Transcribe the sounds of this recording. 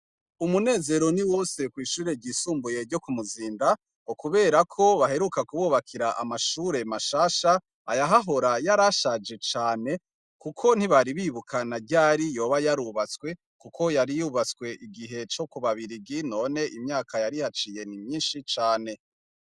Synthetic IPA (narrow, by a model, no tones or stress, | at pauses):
umune̞ːze̞ɾo̞niwoːse̞kwiːʃuːɾe̞ɟiːsuːmbuje̞ɾɟo̞kumuziːnda | okuβe̞ːɾakʰo̞βaɦe̞ɾukakuβuːβakʰiɾaʔamaʃuːɾe̞maʃaːʃaː | jaɦaɦo̞ɾajaɾaʃad͡ʒe̞t͡ʃaːne̞ | kukʰo̞n̥hiβaɾiβiːβukʰanaɟaːɾijo̞ːβajaɾuβat͡swe̞ | kukʰo̞jaɾijuβat͡swe̞ʔiɡiɦe̞t͡ʃo̞kuβaβiɾiɡino̞ːne̞ʔimɲaːkʰajaɾihat͡ʃije̞nimɲiːnʃit͡ʃaːne̞